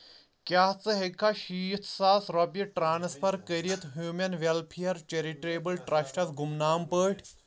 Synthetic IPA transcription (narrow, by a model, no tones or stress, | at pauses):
kjaːt͡sɨɦekʰːaʃiːt̪ʰsaːsɾɔpjɐʈɾaːnspʰɐɾkəɾiɐt̪ɦjuːmʲjɐnʋelpʰijɐɾt͡ʃeɾiʈɾeːbɐlʈɾɐʃʈɐsɡumnaːmpəːʈʰʲ